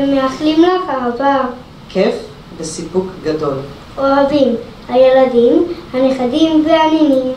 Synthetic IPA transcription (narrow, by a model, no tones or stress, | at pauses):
meaχlimlakaava | kʰef | besipukɡad̪o̞l | ʔoavim | hajeladimhaneχadimveaninim